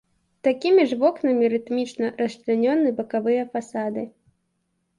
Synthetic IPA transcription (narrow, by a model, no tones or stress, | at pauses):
t̪akʲimʲiʐvɔknɐmʲiɾɨt̪mʲit͡ʃnɐrɐst̪lʲɪnʲɔnːɨbɐkavɨjɐfasad̪ɨ